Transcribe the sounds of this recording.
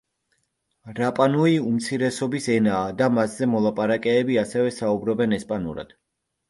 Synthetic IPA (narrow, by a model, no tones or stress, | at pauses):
ɾapʼanuiumt̪sʰiɾɛsɔbisɛnaːd̪amasz̥ɛmɔlˠapʼaɾakʼɛːbiasɛvɛsaubɾɔbɛnɛspʼanṵɾa̰d̪̥